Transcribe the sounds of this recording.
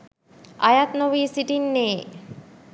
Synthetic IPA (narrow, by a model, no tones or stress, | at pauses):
ajat̪noʋiːsiʈinːeː